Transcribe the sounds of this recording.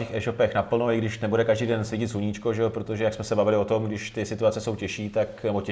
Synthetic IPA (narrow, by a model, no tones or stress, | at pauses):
ɛxɛːʃo̞pɛxnapl̩noɪɡdɪʃnɛbudɛkaʒdiːdɛnsvɪcɪt̪zuɲiːt͡ʃko̞ʒɛopɾot̪o̞ʒɛjaksmɛsɛbavɪlɪot̪o̞mɡdɪʃt̪ɪsɪt̪uat͡sɛso̞wcɛʃiːt̪aknɛbo̞ɛ